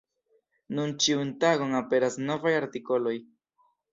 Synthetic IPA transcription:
nunt͡ʃiunt̪aɡoŋape̞ɾasno̞vajaɾt̪iko̞lo̞j

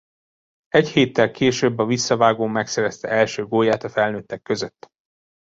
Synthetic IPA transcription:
ɛcheːt̪ːɛlkʰeːʃøːbːɒvisːɒvaːɡoːmɛksɛɾɛst̪ɛ̰ɛlʃøːɡoːjaːt̪ɒfɛlnøːt̪ːɛkːøzøt̪ː

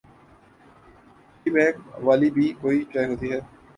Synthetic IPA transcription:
ibɛ̃ːkʋaːlibʱiːkoːit͡ʃaːjɦoːt̪iɦɛː

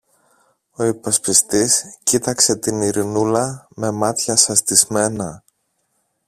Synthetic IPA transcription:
o̞ipɐspist̪iscit̪ɐkse̞t̪iniɾinulɐme̞mɐt̪çɐsɐst̪izme̞nɐ

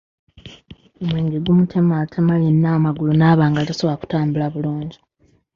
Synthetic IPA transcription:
omweːŋɡeɡumutʰe̞matʰemalenːaːmaɡulunaːβaːŋɡalasoβaku̥taːmbulaβuluːɲɟi

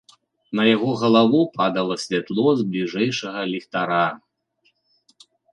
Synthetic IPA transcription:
nɐjaɣɔɣɐlˠavupad̪ɐlˠɐsʲvʲat̪lˠɔzblʲiʐɛjʂɐɣɐlʲixt̪aɾa

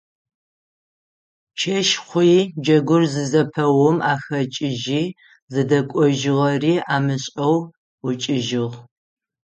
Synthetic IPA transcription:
t͡ʃʰɐʃχʷiːd͡ʒɐɡʷʊrzɨzɐpʰɐwɔmaːxɐt͡ʃʼɪʒiː | zɨdɐkʷʼɔʒɪʁɐriːaːmɨɕʼɐw | ʊt͡ʃʼɪʒɪʁ

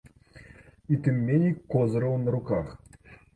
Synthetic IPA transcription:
it̪ɨmʲːenʲikːozɾɤwnɾukaχ

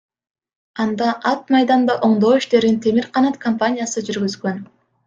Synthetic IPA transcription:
ɑnd̪ɑʔɑt̪̚mɑjd̪ɑnd̪ɑʔo̞ɴd̪o̞ːiʃt̪e̞ɾint̪ʰe̞miɾqʰɑnɑt̪kʰompanʲijasɯd͡ʒyɾɡyzɡø̞n

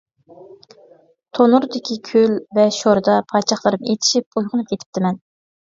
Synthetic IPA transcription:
t̪ʰonuɾd̪ɪkʲikʲʰølvɛʃoɾɨd̪ɑpʰɑt͡ʃʰɑχlˠɨɾɨmet̪ʰɪ̥ʃip̚ujʁʊnɨp̚kʲet̪ʰɪ̥p̚t̪ɪmɛn

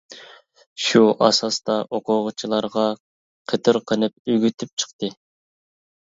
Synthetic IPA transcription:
ʃuʔɑ̰sɑst̪ɑʔoqʰʊʁət͡ʃʰilˠɑɾʁɑ | qʰət̪ʰɨɾqʰənɨp̚yɡʲyt̪ʰyp̚t͡ʃʰə̥qt̪ɨ

